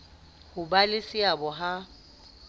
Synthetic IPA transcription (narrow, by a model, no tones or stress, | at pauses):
hʊbalɪsɪabɔɦa